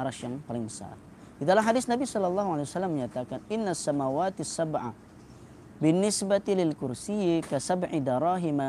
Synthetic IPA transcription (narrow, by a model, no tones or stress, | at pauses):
aɾaʃjaŋpalɪŋəsa̰ | didalamɦadisnabisɔlːɑlːɑːɦuʕalejwasalːamːəɲat̪akanɪnːasːamawaːt̪sːabʕa̰ | bɪnːɪsbat̪ilɪlkʊɾsijikasabʕid̪aɾˤɑːɦima